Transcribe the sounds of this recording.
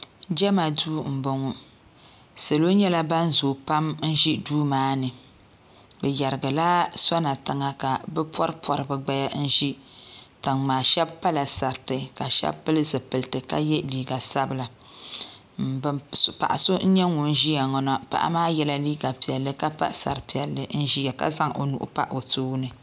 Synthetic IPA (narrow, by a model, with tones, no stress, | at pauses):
d͡ʒɛ˦ma˨duː˦m̩˨bo˨ŋɔ˨ | sa˨lo˦ɲɛ˦la˦ba˦n˦zoː˨pa˦mn̩˦ʒi˦duː˦maː˨˦nɨ˨ | bɛ˨ja˨ɾɨ˨ɡa˨la˦sɔ˦na˨ta˨ŋa˨ka˨bɛ˦pwɔ˦ɾpɔ˨ɾɨ˨bɨ˨ɡ͡ba˦ja˦n̩˦ʒi˦tɨ˨ŋmaː˨ʃɛ˦bpa˦la˨sa˨ɾtɨ˨ka˨ʃɛ̰˦bpɨ˦lɨ˦zɨ˨pɨ˨ltɨ˨ka̰˦jɛ˦liː˨ɡa˨sa˦bɨ˨la˨ | pa̰˨ʔa˨so˦n̩˦ɲɛ˦ŋu˨n˦ʒi˦ja˨ŋɔ˨na˨pa̰˨ʔa̰˦maː˦jɛ˦la˦liː˦ɡa˨pi˨ɛ˨lːɨ˦ka˦pa̰˦sa̰˨ɾɨ˨pi˨ɛ˨lːɨ˦n̩˦ʒi˦ja˨ka̰˦za˦ŋʔo̰˨nṵ˨ʔʊ̰˦pa̰˦ʔo˨toː˦nɨ˨